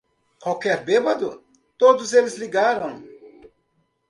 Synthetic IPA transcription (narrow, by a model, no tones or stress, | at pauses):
kwawkɛɾbebɐd̪ʊ | t̪od̪ʊzelɪzliɡaɾɐ̃w̃